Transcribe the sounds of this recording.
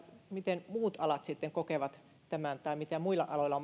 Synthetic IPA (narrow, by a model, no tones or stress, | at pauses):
mit̪enmuːt̪ɑlɑt̪sit̪ːeŋkokeʋɑt̪ | t̪æmænt̪ɑimit̪æmuilːˑɑ̰ʔɑloilɑ